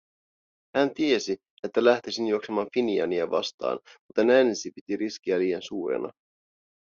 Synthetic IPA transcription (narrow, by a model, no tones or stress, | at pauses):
hænt̪ie̞si | e̞t̪ːælæht̪isinjuokse̞mɑːnfiniɑ̰niɑʋɑ̰st̪ɑ̰ːnmut̪enænsipit̪iɾisk̟iæliːensuːɾḛnʔɑ̰